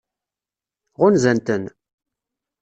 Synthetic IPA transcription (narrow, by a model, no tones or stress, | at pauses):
ʁʊnzænt̪ən